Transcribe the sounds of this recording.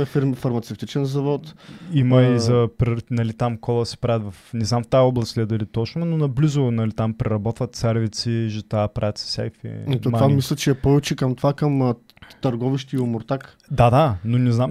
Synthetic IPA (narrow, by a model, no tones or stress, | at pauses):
ɛfiɾmifɐɾmɐt̪sɛft̪it͡ʃɛnzɐvɔt̪imɐizɐpɾɛnɐlit̪amkɔlˠəsɛ̥pɾavʲət̪vɐfnɛznamft̪aɔblˠɐst̪lʲɛd̪əlit̪ɔt͡ʃnʊnonɐblizʊnɐlit̪ampɾɛɾɐbɔt̪vɐt̪sɛɾvit̪siʒɛt̪aːpɾavʲət̪sɛ̥sɛ̰jfḭt̪omvammislʲɐt͡ʃɛːpɔvɛt͡ʃɛkɐmt̪ovakɐm | t̪ɐɾɡɔviʃt̪iːʊmʊɾt̪ak | d̪ad̪anonɛznam